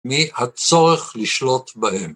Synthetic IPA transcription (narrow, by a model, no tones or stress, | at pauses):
mihat͡so̞ʁeχliʃlo̞t̪bahem